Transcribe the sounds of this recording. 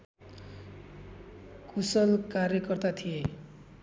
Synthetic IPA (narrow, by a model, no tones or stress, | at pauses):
kusʌlkarjʌkʌrt̪at̪ʰije